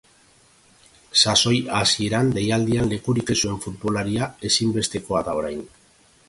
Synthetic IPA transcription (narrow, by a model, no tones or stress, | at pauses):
saso̞jasie̞ɾand̪e̞jald̪ianle̞kuɾike̞sue̞ɱfut̪βo̞laɾiae̞simbe̞st̪e̞ko̞aðao̞ɾajn